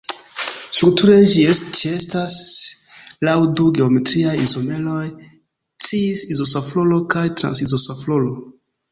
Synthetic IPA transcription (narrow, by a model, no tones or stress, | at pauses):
stɾuk̚tuɾe̞d͡ʒiet͡ʃie̞stas | lawduɡe̞ome̞tɾiajizone̞lo̞j | t͡siːsizo̞saflolo̞kajtɾa̰nsizosaflolo